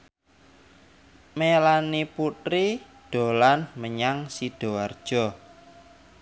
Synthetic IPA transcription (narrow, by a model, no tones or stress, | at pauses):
melaniput̪ɾi | ɖ̥o̤lanməɲaŋsiɖ̥o̤ard̥ʒ̥ɔ̤